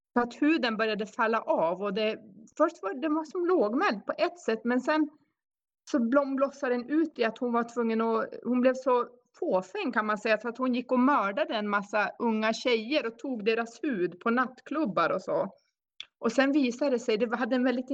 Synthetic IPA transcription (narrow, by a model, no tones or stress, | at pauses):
sɔat̪hʉ̟ːd̪ənbœɾjad̪əfalːaʔɑːvɔd̪ɛfœʂʈvɑd̪ɛvasɔmloːɡmɛld̪̚pʰɔʔɛt̪ːsɛt̪ːmɛnsɛn | sɔblɔmblɔsːad̪ɛnʉ̟ːt̪ɪat̪hʊnvaʈʰvɵŋːənɔhʊnblɛvsɔ | foːfɛŋːkʰanmansɛjːafœɾat̪hʊnjɪkːɔmœːɖad̪əɛnmasːaɵŋːaɕɛjːəɾɔt̪ʰuːɡd̪eːɾashʉ̟ːd̪pʰɔnat̪ːkʰlɵbːaɾɔsɔ̰ | ʔɔsɛnviːsad̪ɛsɛjd̪ɛɦad̪ːəɛnvɛld̪ɪt̪